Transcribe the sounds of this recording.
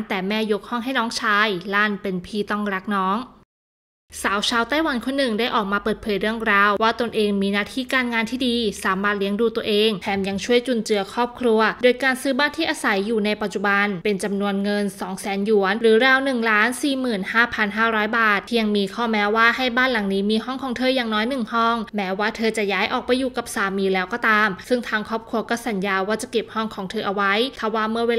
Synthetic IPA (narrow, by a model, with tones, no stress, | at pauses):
t̪ɛː˨˩mɛː˥˩ju˦˥k̚hɔ˥˩ŋɦa˥˩jnɔː˦˥ŋt͡ɕʰaː˧jlaː˥˩npe˧npʰiː˥˩t̪ɔ˥˩ŋɾa˦˥k̚nɔː˦˥ŋ | saː˩˦wt͡ɕʰaː˧wt̪a˥˩jwa˧˥nkʰo˧nːɯ˨˩ŋdaː˥˩jʔɔː˨˩k̚maː˧pɤː˨˩t̪̚pʰɤː˨˦jɾɯ˥˩əŋɾaː˧wwaː˥˩t̪o˧nʔeː˧ŋmiː˧naː˥˩t̪ʰiː˥˩kaː˧nŋaː˧nt̪ʰiː˥˩diː˧saː˩˦maː˥˩t̪̚li˦˥əŋduː˧t̪u˧ɐʔeː˧ŋp̪ʰɛː˧˩mja˧ŋt͡ɕʰu˥˩əjt͡ɕu˧˩nt͡ɕɯ˧ɐkʰɾɔː˥˩p̚kʰɾu˧ɐdoː˧jkaː˧nsɯː˥˩baː˥˩nt̪ʰiː˥˩ʔaː˧sa˩˦jːuː˨˩na˧jpa˨˩t̪̚t͡ɕu˨˩ba˧npe˧nt͡ɕa˧mnu˧ənŋɤ˧nsɔː˩˦ŋsɛː˩˦nju˩˦ənɾɯː˩˦ɾɛː˧wnɯ˨˩ŋlaː˦˥nsiː˨˩mɯː˨˩nhaː˥˩pʰa˧nɦaː˥˩ɾɔː˦˥jbaː˨˩t̪̚ʰi˥˧a˧ŋmiː˧kʰɔː˥˩mɛː˦˥waː˥˩ha˥˩jbaː˥˩nla˨˩˦ŋniː˦˥miː˧ɦɔ˥˩ŋkʰɔː˩˦ŋt̪ʰɤː˧˩jaː˨˩ŋnɔː˦˥jnɯ˨˩ŋhɔ˥˩ŋmɛː˦˥waː˥˩t̪ʰɤː˧t͡ɕa˨˩ʔjaː˦˥jʔɔː˨˩k̚pa˧jːuː˨˩ka˨˩p̚saː˨˧˦miː˧lɛː˦˥wkɔː˥˩t̪aː˧msɯ˥˩ŋt̪ʰaː˧ŋkʰɔː˥˩p̚kʰɾu˧ɐkɔː˥˩sa˨˦njaː˧waː˥˩t͡ɕa˨˩ke˨˩p̚hɔ˥˩ŋkʰɔː˩˦ŋt̪ʰɤː˧ʔa˧wa˦˥jt̪ʰa˧˩waː˥˩mɯ˥˩ɐweː˧